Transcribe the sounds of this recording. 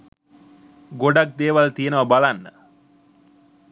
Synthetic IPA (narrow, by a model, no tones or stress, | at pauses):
ɡoɖak̚d̪eːʋalt̪ijenəʋɐbalanːə̰